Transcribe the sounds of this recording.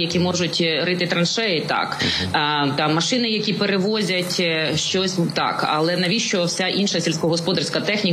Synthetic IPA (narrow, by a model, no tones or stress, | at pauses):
jɐkʲimɔʒʊtʲɾɪt̪ɪt̪ɾɐnʃɛjɪt̪ɑ̰k | t̪ɑmːɐʃɪnɪjɐkʲipeɾeʋɔzʲɐtʲʃt͡ʃɔsʲt̪ɑ̰kɐ̰lˠɛnɐʋʲiʃt͡ʃɔwsʲaʔinʃɐsʲilʲsʲkɔɦɔspɔd̪ɐrsʲkɐt̪ɛxnʲi